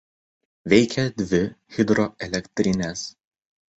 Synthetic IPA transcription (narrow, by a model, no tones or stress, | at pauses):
ʋʲɛɪkʲɛd̪ʲʋʲɪɣʲɪd̪ɾɔɛlʲɛkʲt̪ʲɾʲɪnʲɛs